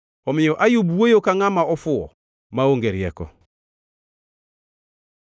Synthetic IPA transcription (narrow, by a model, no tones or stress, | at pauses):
ɔmiɲoʔajubuwojokaŋamaɔfuɔ̰ | maoŋɡɛɾjɛkɔ̰